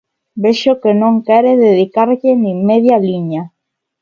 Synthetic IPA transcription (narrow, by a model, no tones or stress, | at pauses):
beʃokenõŋkɛɾeðeðikaɾʎenĩŋmeðjaliɲa